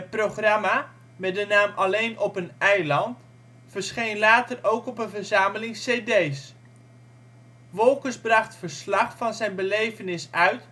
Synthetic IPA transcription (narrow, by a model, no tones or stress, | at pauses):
ət̚proχrama | mɛdənaːmʔɑlejnʔɔpənɛjlɑnt | fəɹsχejnlaːtərowkɔpənvəɹzaːməlɪŋsejdejs | ʋɔlˠkəsbrɑχtfəɹslɑχfɑnzɛjnbəlejvənɪsœɥt